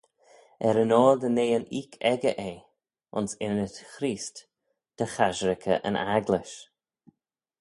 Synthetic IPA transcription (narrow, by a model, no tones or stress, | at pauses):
ɛɾənɔːld̪əneːəniːkʰɛɡəʔeː | ʊ̰nsɪnətxɾiːst | d̪̥əxaʒɾɪkʰə̰ʔə̰nʔaɡlɪʃ